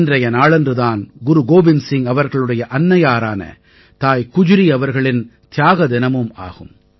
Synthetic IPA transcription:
ndrɐjɐnaːɭɛndrɯðaːnɡʊɾuɡoːbɪnsɪŋɐʋɐɾɣɐɭɯɽɐjɐʔɐnːɐjaːɾaːnɐ̰ | t̪aːjkʊd͡ʒʊɾiɐʋɐɾɣɐɭɪnt̪ɪjaːɣɐd̪ɪnɐmɯma̰ːɣɯm

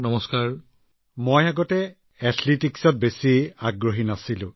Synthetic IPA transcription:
nɔmɔskaɹ | mojaɡɔtɛ | atʰlitiksɔt̚besiaɡɹoɦinasilʊ̰̃

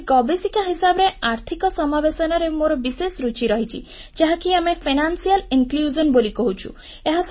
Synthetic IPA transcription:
ɡɔbesikaɦisabɔɾeʔaɾt̪ʰikɔsɔmabesɔnaɾemoɾɔbisesɾut͡ʃiɾɔɦit͡ʃʰḭ | d͡ʒaɦakiamepʰinansialiŋkljud͡ʒɔnbolikɔɦut͡ʃʰṵ | eɦas

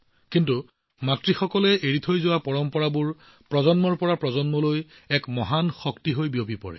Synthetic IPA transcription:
kintu | matɹixɔkɔlɛʔeɹitʰojzʊwapɔɹɔmpɔɹabuɹ | pɹɔzɔnmɔɹpɔɹapɹɔzɔnmɔloj | ɛkmɔɦanxɔktiɦojbiobʱipɔ̰ɹɛ̰

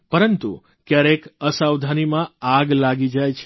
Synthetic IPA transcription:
pəɾənt̪ṵ | kjaɾekəsawd̪ʱanimãaɡlaɡid͡ʒajt͡ʃʰ

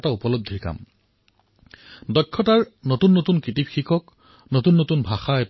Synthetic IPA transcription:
taupɔlob̚d̪ʱiɹka̰m | dɔkʰːɔtaɹnotunːotunkɹitipxikɔk | notunːotunbʱaxaɛ

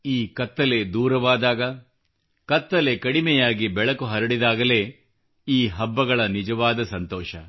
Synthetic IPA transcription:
iːkɐt̪ːɐle̞d̪uːɾɐʋaːd̪aːɡɐ | kɐt̪ːɐle̞kɐɽimɛjaːɡibɛɭɐkuɦɐɾɐɽid̪aːɡɐle̞ː | iːɦɐbːɐɡɐɭɐnid͡ʒɐʋaːd̪ɐsɐnt̪ɔːʃɐ

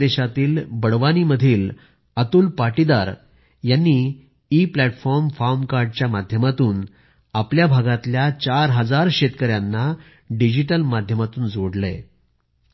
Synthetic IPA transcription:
eɕat̪iːlbəɽʋañiːməd̪ʱiːl | ət̪uːlpaʈid̪aɾ | janːiː | plæʈfɔɾmfaɾmkaɾɖ̚t͡ɕjamad̪ʱjəmat̪uːn | apljabʱaɡat̪ljat͡ɕaɾɦəd͡zaɾɕet̪kəɾjanːa | ɖid͡ʑiʈəlmad̪ʱjəmat̪uːnd͡zoɽlḛ

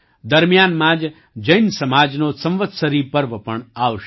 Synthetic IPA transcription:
d̪əɾmijanmãd͡ʒ | d͡ʒəjnsəmad͡ʒnosə̃mʋət̪səɾipəɾʋəpəɳaʋʃ

